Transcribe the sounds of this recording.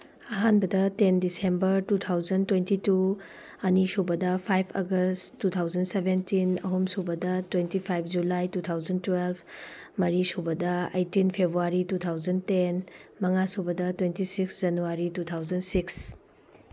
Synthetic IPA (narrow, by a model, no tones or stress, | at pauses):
ɐɦanbɐdɐtendisembɐɾtutʰawzɐntwentitu | ɐnisobɐdɐpʰajpʰɐ̰ɡɐstːutʰawzɐnsebentinɐ̰ɦomsobɐdɐtwentipʰajp̚ʰd͡ʒulajtutʰawzɐntwelpʰ | mɐɾisobɐdɐɐ̰jtinpʰebɾuaɾitutʰawd͡ʒɐntenmɐŋasobɐdɐtwentisiksd͡ʒɐnuwaɾitutʰawd͡ʒɐnsiks